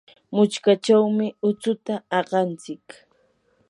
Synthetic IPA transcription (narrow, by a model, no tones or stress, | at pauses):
mʊt͡ʃkat͡ʃawmɪʊt͡sʊt̪aɑɢɑnt͡sɪk